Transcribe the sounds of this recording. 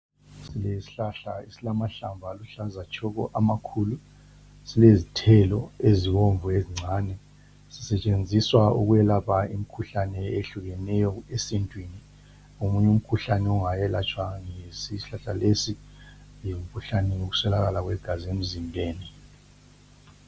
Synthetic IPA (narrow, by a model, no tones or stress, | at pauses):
silesi̥ɬaɬaisilamaɬambʱaluɬazat͡ʃʰʼɔɣɔ̰ʔamakʰuːlu | silezitʰɛlɔeziwoɱvueziŋ͡ǀʱaːnɛ | si̥sɛt͡ʃʼend͡zʱiswauɣujɛlapʰaim̩kʰuɬanɛeɬuɣɛnɛjɔesintʼwini | umuɲɛum̩kʰuɬanɛuŋajɛlat͡ʃʼwaŋesisiɬaɬalesi | jm̩kʰuɬanɛjoɣu̥sɛlaɣ̬alaɣwɛɡ̥ʱaziem̩zimbʱeːni